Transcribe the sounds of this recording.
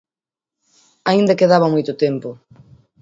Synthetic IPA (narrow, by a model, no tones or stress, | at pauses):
aĩnd̪akeðaβamojt̪ʊt̪empʊ